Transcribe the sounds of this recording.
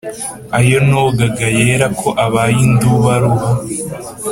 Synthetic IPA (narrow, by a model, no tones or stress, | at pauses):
ajo̞noɡaɡajeːɾakʰo̞ʔaβajind̪uβaɾuɦa